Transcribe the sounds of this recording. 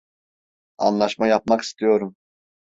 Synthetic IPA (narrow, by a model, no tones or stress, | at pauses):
ɑ̰nlˠɑʃmɑjɑp̚mɑqi̥st̪ʰijoɾum